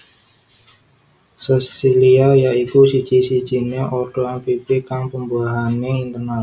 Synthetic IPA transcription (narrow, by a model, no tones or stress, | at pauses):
sɛsiliajaikusi̥d͡ʒ̥isi̥d͡ʒ̥i̤neʔɔrd̥oanfipikaŋpəmbuaɦaneint̪ərna